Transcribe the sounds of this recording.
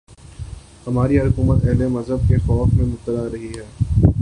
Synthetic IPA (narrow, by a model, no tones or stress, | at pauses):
hɐmaːɾiɦʊkuːmət̪ɛɦlemɐzɦəb̚kexɔːfmẽmʊt̪ːəlaɾɐɦiɦɛː